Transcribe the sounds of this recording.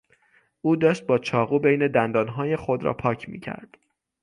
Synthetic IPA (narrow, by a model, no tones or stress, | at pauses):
ʔuːd̪ɒːʃt̪̚bɒːt͡ʃʰɒːɣuːbejne̞d̪ænd̪ɒːnɦɒːjexod̪ɾɒ̰ːpʰɒːcʰmḭːcʰæ̰ɾd̪̥